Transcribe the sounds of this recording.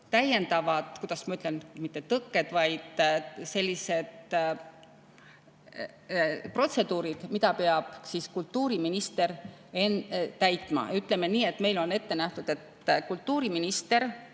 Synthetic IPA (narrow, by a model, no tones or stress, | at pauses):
t̪æje̞nd̪ɑvɑd̪̥kud̪̥ɑsmɑyt̪ːˑlenmit̪ːet̪ɤkːed̪̥vɑjd̪̥se̞lʲːise̞d̪ | pro̞t̪se̞d̪uːɾid̪̥mid̪ɑpeɑb̥siskult̪ːuːɾiminist̪eɾent̪æjt̪ˑmɑ̰yt̪ːˑlemeniːe̞t̪ːˑme̞jlo̞ne̞t̪ːenæht̪ud̪̥e̞t̪kult̪ːuːɾiminist̪e̞ɾ